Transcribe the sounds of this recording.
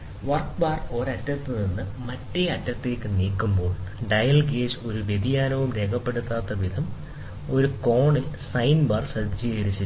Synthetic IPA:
ʋɐrkbaːro̞ɾɐtːɐt̪ːɨninːɨmɐtːeɐtːɐt̪ːeːkːɨniːkːumbo̞ːɭɖɐjɐlɡeːso̞ɾuʋjed̪ijaːlɐʋumɾe̞ːkʰɐpːe̞ɽut̪ːaːt̪ːɐʋid̪ʱɐm | o̞ɾuko̞ːɳɨsɐjnbɐːrsɐd̪ʱd͡ʑijɐɾit͡ɕːi

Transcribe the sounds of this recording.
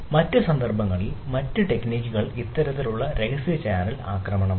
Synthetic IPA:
mɐtːɨsɐnd̪ɐrbɐŋːɐɭilmɐtːɨʈe̞kniːkʲːuɣɐɭit̪ːɐɾɐt̪ːiluɭːɐɾe̞ɣɐsiɐt͡ɕaaːnɐla̰ːkrɐmɐɳɐm

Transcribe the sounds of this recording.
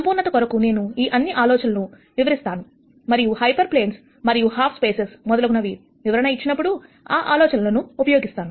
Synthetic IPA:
ɐmpuːnːɐt̪ɐkɔɾɐkune̞ːnuiːʔɐnːiʔaːlɔːt͡ʃɐnɐnu | ʋiʋɐɾist̪aːnu | mɐɾijuhɐjpɐɾple̞ːns | mɐɾijuhaːpʰspeːsesmɔd̪ɐlɐɡunɐʋi | ʋiʋɐɾɐnɐit͡ʃːinɐpːuɽu | aːʔaːlɔːt͡ʃɐnɐlonuːpɐjoːɡist̪aːnu

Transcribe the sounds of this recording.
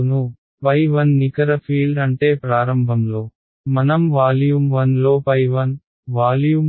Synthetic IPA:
nu | pɐjʋɐnːikɐɾɐpʰiːɭɖɐɳʈe̞ːpɾaːɾɐmbʱɐmlo̞ː | mɐnɐmʋaːljumʋɐnlo̞ːpɐjʋɐn | ʋaːljum

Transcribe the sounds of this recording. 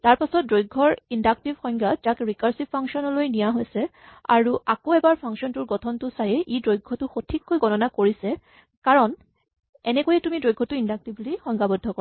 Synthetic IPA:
taɹpasɔt̚dɹojɡʱːɔɹindak̚tibxɔj̃ŋɡad͡ʒakɹikaɹsipːaŋksiɔnɔlojnijaɦojsɛ | a̰ɹuʔakoɛbaɹpʰaŋksiɔntuɹɡɔtʰɔntʊsajɛʔidɹojɡʱɔtʊxotʰikːojɡɔnɔnakoɹisɛ | kaɹɔn | ɛnɛkojɛtumidɹojɡʱːɔtʊindak̚tiblixɔjŋɡabɔdʱːɔkɔa

